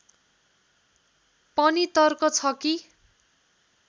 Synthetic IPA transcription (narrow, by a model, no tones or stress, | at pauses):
pʌnit̪ʌrkot͡sʰʌki